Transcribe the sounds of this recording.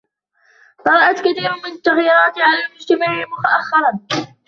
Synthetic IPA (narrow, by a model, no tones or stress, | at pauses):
t̪ˤɑɾˤɑʔat̪kaθiːɾʊmɪnat̪ːaɣjiːɾˤɑːt̪ʕalaːlmʊd͡ʒt̪amaʕɪmʊt̪aʔaxːɪɾˤɑn